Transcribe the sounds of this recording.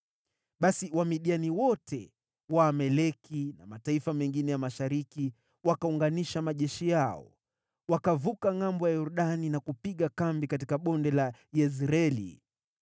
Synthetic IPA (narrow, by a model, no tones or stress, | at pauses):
ɓasiwamiɗianiwɔtʰɛ | waːmɛlɛkinamataifamɛŋɡinɛjamaʃaɾiki | wakauŋɡaniʃamaʄɛʃijaɔ̰ | wakavukaŋambɔjajɔɾuɗaninakupiɠakambikat̬ikaɓɔndɛlajɛzɾɛlḭ